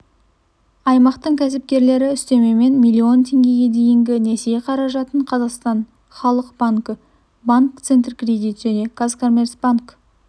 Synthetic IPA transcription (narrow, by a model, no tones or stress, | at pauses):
ɑjmɑqt̪əɴkʲʰæsɪp̚kʲe̞ɾle̞ɾɪʏst̪e̞me̞me̞nmʲijlʲːio̞nt̪ʰe̞ŋɡʲe̞ɡʲe̞d̪e̞jɪŋɡʲɪnesejeqʰɑɾɑʒɑt̪əɴqʰɑzɑqst̪ɑn | χɑlˠəqb̥aŋkə | baŋkt̪sent̪rkrʲed̪ijt̪ʒ̥æne̞ɡ̥azkomʲe̞rsb̥aŋk